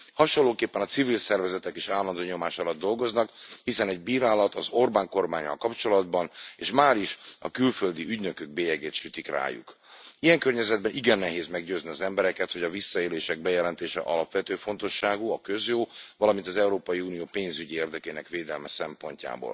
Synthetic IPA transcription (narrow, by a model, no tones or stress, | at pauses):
hɒʃonlːoːkeːpːɛnɒt̪sivilsɛrvɛzɛt̪ɛkeːʃaːlːɒnd̪oːɲo̞maːʃɒlɒd̪ːo̞lɡo̞znɒkhisɛnɛɟbiːɾaːlɒt̪ɒzo̞rbaːŋko̞rmaːɲːɒ̰lkɒpt͡ʃo̞lɒd̪bɒneːʃmaːɾiʃɒ̰kylføld̪iʔyɟnø̞køɡ̚beːjɛɡeːt̪ʃyːt̪ikra̰ːjṵk | ijɛŋkørɲɛzɛd̪̚bɛnʔiɡɛnːɛɦeːzmɛɡɟøːzniɒzɛmbɛɾɛkɛt̪ho̞ɟɒvisːɒeːleːʃɛɡ̚bɛjɛlɛnt̪eːʃɛ̰ʔɒlɒpʋɛt̪øːfo̞nt̪o̞ʃːaːɡuɒkø̞zjoːvɒlɒmint̪ɒzɛuɾoːpɒjiunijoːpeːnzyɟieːrd̪ɛkeːnɛkʋeːd̪ɛlmɛsɛmpo̞̰ɲca̰ːbo̰ːl